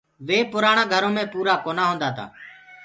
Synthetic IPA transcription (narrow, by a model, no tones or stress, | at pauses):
ʋeːpʊɾaːɳãːɡʱəɾõːmẽːpuːɾaːkoːnãːɦõːnd̪aːt̪a̰ː